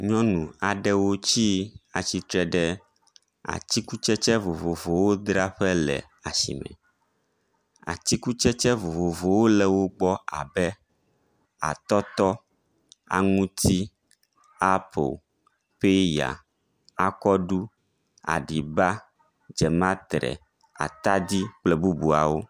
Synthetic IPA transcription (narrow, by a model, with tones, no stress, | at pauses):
ɲɔ̃˦nũ˨a˨ɖɛ˦wo˦t͡ɕi˦a˨t͡ɕi˦t̪ɾɛ˦ɖɛ˦ | a̰˨t̪i˦ku˦t͡ʃɛ˦t͡ʃɛ˦vo˨vo˨vo˨wo˦d̪ɾa˦ɸɛ˦lɛ̰˨ | a˨sḭ˨mɛ̰˨ | a̰˨t̪i˦ku˦t͡ʃɛ˦t͡ʃɛ˦vo˨vo˨vo˨wo˦lɛ˨wo˦ɡ͡bɔ˦a̰˨bɛ˦ | a̰˨t̪ɔ˦t̪ɔ˦ | a̰˨ŋũ˦t̪ʰi˦ | a˦po̰˨ | ɸe˦ja̰˨ | a˦kɔ˦ɖu˦ | a̰˨ɖi˨ba˦ | d͡ʒɛ˨mã˦t̪ɾɛ̰˨ | a̰˨t̪a˦d̪i˦k͡plɛ˨bu˦bu˨a˨wo˦